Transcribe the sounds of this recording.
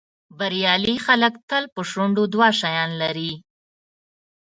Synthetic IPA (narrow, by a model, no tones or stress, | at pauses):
baɾijɑlixaləkt̪əlpəʃuɳɖod̪wɑʃajɑnlaɾi